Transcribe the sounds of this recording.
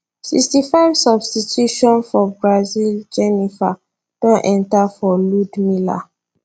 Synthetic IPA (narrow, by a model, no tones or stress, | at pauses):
sḭkstifaɪvsɔbstitjuʃɔ̃nfɔbɹazild͡ʒɛnifa | d̥õnʔɛ̃ntafɔludmila̰